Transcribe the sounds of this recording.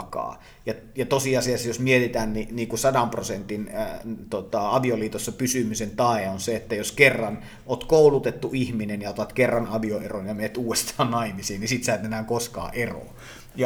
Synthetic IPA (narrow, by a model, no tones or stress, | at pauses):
kɑ̰ː | jɑ | jɑt̪osiɑsiɑsjosmiet̪it̪æːnniniːkusɑdɑmprosent̪int̪ot̪ɑɑʋioliːt̪osːɑpysymysent̪ɑˑeonseet̪ːæjoskerːɑn | ʔoːt̪koˑulut̪et̪ːuihminenjɑot̪ɑt̪kerːɑnɑʋioeronjɑmet̪uːwest̪ʰɑːnnɑimisiːnnisit̪sæˑːt̪enæːŋkoskɑ̰ːʔero̰ | jɑ